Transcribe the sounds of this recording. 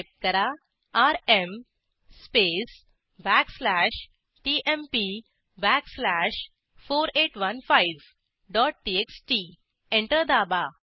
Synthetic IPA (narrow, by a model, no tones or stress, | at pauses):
p̚ʈ̚kəɾa | aɾem | spes | bækslæɕ | ʈiʔempi | bækslæɕ | foːɾeʈʋənfajʋ | ɖɔʈ̚ʈieksʈi | ẽɳʈəɾd̪aba